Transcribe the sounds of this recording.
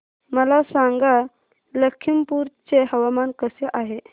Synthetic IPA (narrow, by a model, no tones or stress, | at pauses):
məlasaŋɡa | ləkʰːimpuɾt͡seɦəʋamankəseʔaɦe